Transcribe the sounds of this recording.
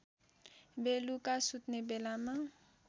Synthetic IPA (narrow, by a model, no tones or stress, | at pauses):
belukasut̪nebɛlamã